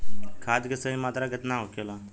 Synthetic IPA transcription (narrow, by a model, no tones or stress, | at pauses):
kʰaːd̪kəsəĩmaːt̪ɾaːɡət̪nãːɦoːkjoːlaː